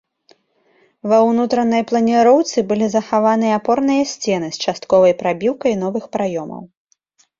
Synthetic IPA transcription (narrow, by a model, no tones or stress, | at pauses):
vɐwnut̪ɾɐnɐjplˠɐnʲiɾɔwt̪sɨbɨlʲizɐxavanɨjɐapɔrnɨjɐsʲt͡sʲɛnɨst͡ʂast̪kɔvɐjpɾabʲiwkɐjnɔvɨxpɾajɔmɐ̰w